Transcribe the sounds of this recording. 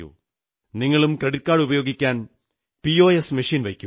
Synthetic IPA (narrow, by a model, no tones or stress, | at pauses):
ṵ | niŋːɐɭumkɐɽikːaːɽubɐjo̞ːɡikʲːaːn | pio̞ːjesmiʂiːnʋɐjkʲːu